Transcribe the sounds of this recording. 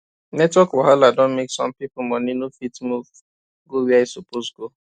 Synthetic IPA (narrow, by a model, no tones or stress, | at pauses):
nɛtwɔkwaɦaladɔ̃nmeksɔ̰̃mpipumɔninofitmuv | ɡowiaisoposɡo